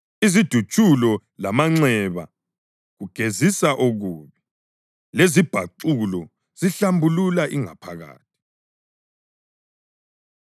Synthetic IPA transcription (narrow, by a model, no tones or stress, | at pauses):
izid̥ʱut͡ʃʼulɔ | lamaŋ͡ǀɛβa̰ | ɣuɡ̥ʱezisaʔoɣuːβi | lezib̥ʱa̰ǀulɔ | z̥iɬambʱululaʔiŋa̰pʰaɣa̰ːt̚ʰi̥